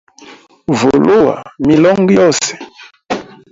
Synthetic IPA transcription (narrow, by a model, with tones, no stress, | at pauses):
vo˨lo˦wa̰˨mi˨lɔ˦ŋ˦ɡi˦ɔ˦˨sɛ̥˨